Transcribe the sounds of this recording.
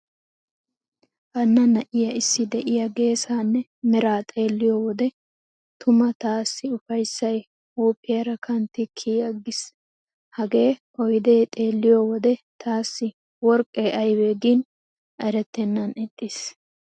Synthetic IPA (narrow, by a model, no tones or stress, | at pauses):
ʔɐnːɐnɐʔɪjɐʔɪsːɪd̪ɛʔɪjɐɡe̞ːsaːnːɛmɛɾaːt̪ʼe̞ːlːɪjoːwɔd̪ɛ | t̪ʰʊmɐt̪aːsːɪʊfɐjsːɐj | uːpːɪjɐɾɐkʰɐnt̪ːɪkʰiːjɐɡɪs | hɐɡe̞ːʔɔjd̪eːt̪ʼe̞ːlːɪjoːwɔd̪ɛt̪ʰaːsːɪ | wɔɾkʼːeːʔɐjbeːɡiːn | ɐjɾɛt̪ːɛnːɐnɪt̪ʼːɪs